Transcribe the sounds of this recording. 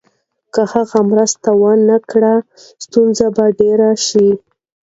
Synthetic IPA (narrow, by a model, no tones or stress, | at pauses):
kəhaɣamɾəst̪awənakɽa | st̪unzabaɖeɾaʃi